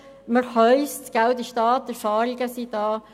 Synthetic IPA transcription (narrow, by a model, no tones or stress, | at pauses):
məɾhœʏstɡ̥awd̪iʃtɑːt̪̚ːəfɑːɾiɡəsid̪ɑː